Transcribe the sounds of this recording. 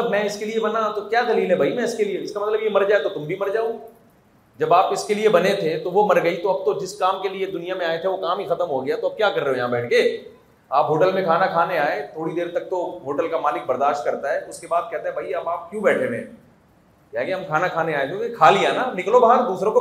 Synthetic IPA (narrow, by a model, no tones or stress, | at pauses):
t̪əbmɛ̃ɪskeliebɐnat̪okjaːd̪ɐliːlɦɛbʱaimɛ̃ɪskelieɪskamɐt̪ləbjemɐɾd͡ʒaːet̪ot̪ʊmbʱimɐɾd͡ʒaːo | d͡ʒɐbaːpɪskeliebɐnet̪ʰet̪oʋomɐɾɡɐit̪oɐb̚t̪od͡ʒɪskaːmkelied̪ʊnijamẽaːet̪ʰeʋokaːmɦixɐt̪əmɦoɡɐjat̪oɐb̚kjaːkɐɾːeɦõjɐɦãbɛːʈʰɡeː | aːpɦoːʈəlmẽkʰaːnakʰaːneaːet̪ʰoːɽid̪eːɾt̪ɐk̚t̪oɦoːʈəlkamaːlɪk̚bɐɾd̪aːʃʈ̚kɐɾt̪aɦɛːt̪oʊskebaːd̪̚kɛɦt̪aɦɛbʱɐiɐbaːp̚kjũːbɛːʈʰeɾḛ̃ː | kaɦɛkeɦɐmkʰaːnakʰaːneaːet̪okekʰaːlijananɪklobaːɦəɾd̪uːsɾõko